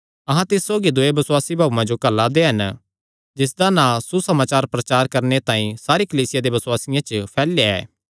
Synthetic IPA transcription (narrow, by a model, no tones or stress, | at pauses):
ɐɦãt̪ɪsːoːɡid̪ʊebɐsʊwaːsibʱaːʋmãd͡ʒokɐlːad̪eɦɐn | d͡ʒɪs̬d̪anãsusɐmaːt͡ʃaːɾpɾɐt͡ʃaːɾkɐɾnet̪ãːĩsaːɾikɐliːsɪjad̪ebɐswaːsɪjãt͡ʃəpʰɛːlːeɛ̰ː